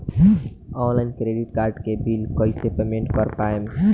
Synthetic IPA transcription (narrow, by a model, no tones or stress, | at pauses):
ɔːnlaɪnkɾeːɖɪʈkaːɾɖkebiːlkoːisepeːmẽɳʈkɔɾpaːem